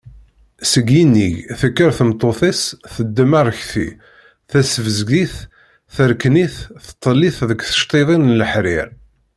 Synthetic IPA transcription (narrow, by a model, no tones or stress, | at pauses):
səɡinːiʝθəkːəɾθəmt̪ˤːoθˤesθəd̪ːəmaɾˤəçθḭ | θæsəvəzɡiθ | θəɾkniθθə̥t̪ˤːəlːiθðəkθə̥ʃt̪ˤeðˤinnələħɾɪɾ